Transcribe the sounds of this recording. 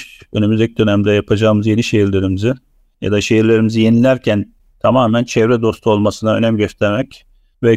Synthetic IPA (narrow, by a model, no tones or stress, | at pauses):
ø̰nymyzd̪ɛc̚d̪ø̞næmd̪ɛjapʰad͡ʒaɯmɯzje̞niʃe̞jiɾlʲe̞ɾimizi | ja̰d̪aʃe̞jiɾlʲe̞ɾimizije̞nilʲæɾcʰæn | t̪ʰamaːmænt͡ʃʰɛvɾɛd̪o̞st̪ʰuo̞lˠmasɯnaønæmɟøst̪ʰeɾmɛc | vɛ